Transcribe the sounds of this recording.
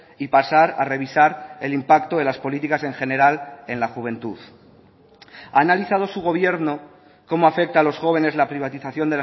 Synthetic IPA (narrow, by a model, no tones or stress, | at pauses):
ipasaɾare̞β̞isaɾe̞limpakt̪oðelaspo̞lit̪ikase̞ŋxe̞ne̞ɾale̞nlaxuβ̞ẽ̞nt̪uð | aːnaliθað̞o̞suɣ̞o̞βje̞ɾno̞ | ko̞moafe̞k̚t̪aːlo̞sxo̞β̞e̞ne̞zlapɾiβ̞at̪iθaθjo̞nd̪ela